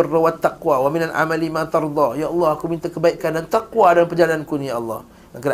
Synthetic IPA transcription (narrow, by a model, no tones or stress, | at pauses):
rːawat̪ːaqwawaminalʔa̰malimãt̪ɑɾd̪ˤɑjaʔɑlːɑhakumint̪akəbaiʔkandant̪aqwadalampəd͡ʒalankunĩjaʔɑlːɑh | jaŋkəda